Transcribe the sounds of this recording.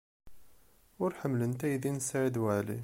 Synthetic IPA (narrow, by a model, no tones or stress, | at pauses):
ʊɾħəmːlənt̪æjðinsʕəd̪waʕlḭ